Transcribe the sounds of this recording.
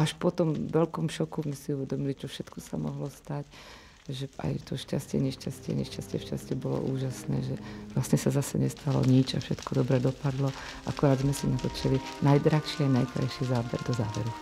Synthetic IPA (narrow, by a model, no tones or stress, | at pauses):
aʃpɔt̪ɔmʋɛlkɔmʃɔkuzmɛsiuʋɛd̪ɔmilit͡ʃɔfʃɛt̪kɔsa̰mɔ̰ɦlɔst̪ac | ʒɛʔa̰jt̪ɔʃcascɪɛ̰ɲɛʃcascɪɛ̰ɲɛʃcascɪɛʃcascɪɛbɔlɔ̰ʔuːʒasnɛ̰ːʒɛʋlasɲɛsazasɛɲɛst̪ʰalɔ̰ɲit͡ʃa̰fʃɛt̪kɔd̪ɔbɾɛd̪ɔpad̪lɔʔa̰kɔɾaːd̪zmɛsinat̪ɔt͡ʃɛlinajd̪ɾaxʃiajnajkɾa̰jʃizaːbɛ̰ɾd̪ɔzaːʋɛɾu